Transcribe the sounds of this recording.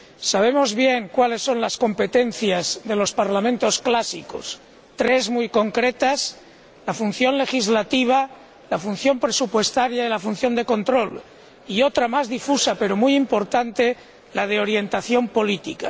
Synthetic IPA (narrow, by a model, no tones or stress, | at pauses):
saβ̞e̞mo̞zβje̞ŋkwale̞sːo̞nlasko̞mpe̞t̪e̞n̟θjazðe̞lo̞spaɾlamẽnt̪o̞sklasḭko̰s | t̪ɾe̞zmujko̞ŋkɾet̪as | lafun̟θjo̞nle̞xizlat̪iβ̞a | lafun̟θjo̞mpɾesupwe̞st̪aɾjaelafun̟θjo̞nd̪e̞ko̞nt̪ɾo̞l | io̞t̪ɾamazðifusape̞ɾo̞mujimpo̞ɾt̪ant̪e | lað̞eo̞ɾje̞nt̪aθjo̞mpo̞lit̪ika